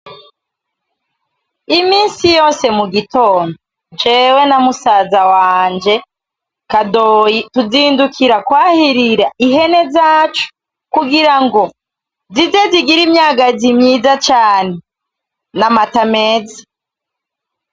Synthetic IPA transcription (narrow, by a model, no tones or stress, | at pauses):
imiːnsijo̞ːse̞muɡito̞ːndo | d͡ʒe̞ːwe̞namusaːzawaːɲd͡ʒe̞ | kadojituziːndukʰiɾakwaːhiɾiɾaiɦe̞ne̞zaːt͡ʃu̥ | kuɡiɾaŋɡo̞ | zizeziɡiɾimɲaːɡazimɲiːzat͡ʃaːne̞ | namatameːzḁ